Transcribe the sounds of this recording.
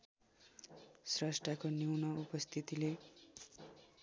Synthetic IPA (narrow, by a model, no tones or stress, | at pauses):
srʌsʈakoniwnʌupʌst̪ʰit̪ile